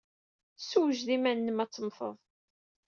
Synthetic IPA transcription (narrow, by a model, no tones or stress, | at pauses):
suwʒðimænːəmæt͡sːəmfə̰ðˤ